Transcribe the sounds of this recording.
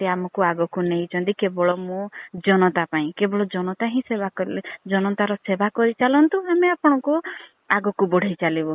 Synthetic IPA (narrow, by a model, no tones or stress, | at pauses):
t̪eamɔkuaɡɔkunejt͡ʃʰɔnt̪ikebɔɭɔmũd͡ʒɔnɔt̪apaĩkebɔɭɔd͡ʒɔnɔt̪aɦĩsebakɔɾiled͡ʒɔnɔt̪aɾɔsebakɔɾit͡ʃalɔnt̪uameapɔɽ̃ɔku | aɡɔkubɔɽ̤ʱejt͡ʃalibɔ